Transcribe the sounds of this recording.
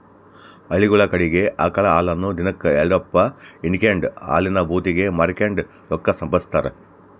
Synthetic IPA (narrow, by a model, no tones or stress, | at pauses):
ɐɭiɡuɭɐkɐɽiɡe̞ʔɐkɐɭɐaːlɐnːud̪inɐkːɨeɭɖopːɐinikeɳɖa̰ːlinɐbʱuːt̪iɡe̞mɐɾikeɳɖ | lɔkːɐsɐmpɐst̪ɐːɾe